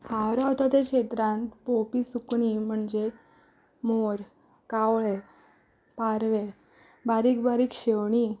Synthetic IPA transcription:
hawɾawt̪at̪ekɕet̪ɾãnt̪popisukɳim̤əɳd͡ʑe | moɾ | kawɭe | paɾʋe | baɾikbaɾiːkɕewɳi

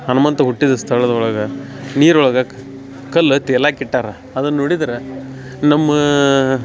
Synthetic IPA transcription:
ɐnɐmɐnt̪ɐɦuʈːid̪ɐst̪ʰɐɭɐd̪ɐɔɭɐɡɐniːɾɔɭɐɡɐ | kɐlːɐt̪ɛlaːkiʈːaːɾɐ | ɐd̪ɐnɐnoːɽid̪ɐɾe | nɐmːɐ

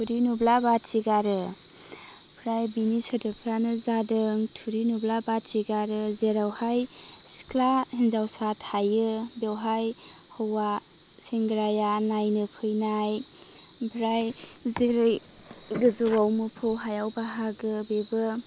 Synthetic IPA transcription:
tʰuɾinublabatsiɡaɾɯ | bʰɾajbinisɯdɯpʰɾanɯzadɯŋtʰuɾinublabatsiɡaɾɯzeɾawhajsi̥kʰlahinzawsathajɯbewɦaj | hɔwa | seŋɡɾajanajnɯpʰɯjnaj | bʰʱɾajzeɾɯj | ɡɯzɯwawmɯpʰɯwɦajawbaɦaɡɯbebɯ

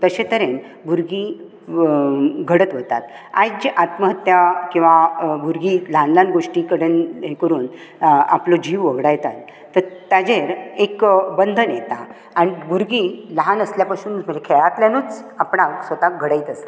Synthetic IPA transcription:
t̪əɕẽt̪əɾen | bʱuɾɡi | ɡʱəɽət̪ʋət̪a̰t̪a̰jd͡ʑiʔat̪məɦət̪jakĩw̃ʋabʱuɾɡiləɦanlanɡoʂʈikəɽenɦekəɾuːn | aplod͡ʑiːʋʋəɡɽajt̪a̰t̪ː | əɾt̪jad͡zeɾekbənd̪ʱənjet̪a | aɽ̃ibuɾɡiləɦanəsljapasuːnməd͡ʑekʰeɭat̪ljanuːt͡sapɳaʋksʋət̪aɡʱəɽajt̪əsa

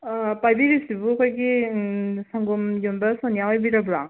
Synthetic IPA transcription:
pajbiɾisibuɐkʰojɡi | saŋɡumjombɐsɔnijawajbiɾabuɾa

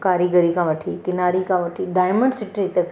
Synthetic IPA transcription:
kaːɾiɡəɾikãʋəʈʰikɪnaːɾikãʋɐʈʰiɖaːjməɳɖsɪʈɾit̪ɐk

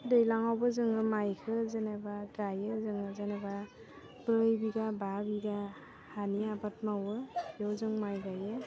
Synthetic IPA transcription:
dɯjlaŋawbɯzɯŋɯmajkʰɯzenebaɡajɯzɯŋɯzaneba | bɯɾɯjbiɡababiɡa | haniabat̚mawɯjɔwzɯŋmajɡajɯ

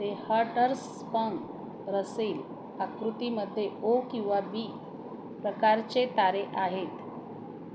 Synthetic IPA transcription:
t̪ehaɾʈəɾs | pəŋɡ | ɾəseːl | akɾut̪iməd̪ʱːjeokĩw̃ʋabiː | pɾəkaɾt͡ɕet̪aɾeʔaɦet̪

